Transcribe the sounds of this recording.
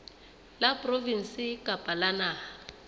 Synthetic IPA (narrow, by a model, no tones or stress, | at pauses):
lapʼrovin̩sikʼapʼalanaːa